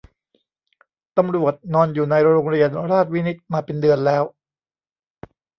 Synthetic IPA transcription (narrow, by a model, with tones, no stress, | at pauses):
t̪a˧mɾu˨˩ət̪̚nɔː˧njuː˨˩na˧jɾoː˧ŋɾi˧ənɾaː˥˩t̪̚wi˦˥ni˦˥t̪̚maː˧pe˧ndɯ˧ənlɛː˦˥w